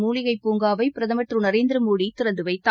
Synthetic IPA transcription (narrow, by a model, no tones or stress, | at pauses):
muːlɪɣɐɪpːuːŋɡaːʋɐɪpɪɾɐðɐmɐʈrɯnɐɾeːnd̪ɪɾɯmuːɽit̪ɪɾɐnd̪ɯʋɐɪt̪ːa